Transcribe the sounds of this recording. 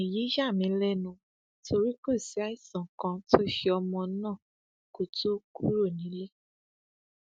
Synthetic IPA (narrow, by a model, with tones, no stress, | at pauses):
i˨ji˨˦ʃa˦˨mĩ˨˧lɛ˦nũ˧ | tʰo˧ɾi˦ko˦˨si˨˦a˦i˦˨sã˨kã˧to˦ʃe˧ɔ˧mɔ̃˧˦nãː˦˨ | ko˨to˦ku˦ɾo˦˨nĩ˨˦le˦